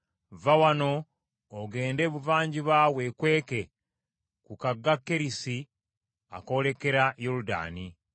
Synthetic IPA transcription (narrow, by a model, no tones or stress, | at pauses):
vawano̞ː | ɡe̞ːnde̞βuvaːɲɟiβawe̞kwe̞ːke̞ | kukaɡːakːeɾisi | a̰kole̞ke̞ɾajoluda̰ːni